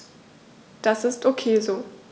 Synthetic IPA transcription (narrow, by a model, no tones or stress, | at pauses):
d̥asɪstʰʔokʰeːzoː